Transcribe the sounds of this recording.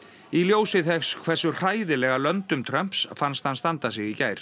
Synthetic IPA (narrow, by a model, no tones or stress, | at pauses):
iljoːwsɪθɛxskʰv̥ɛr̥sʏr̥aːjðɪlɛɣalœnt̪ʏmt̪ʰɾœm̥psfanst̪hanst̪ant̪asɪɣicaːjɾ̥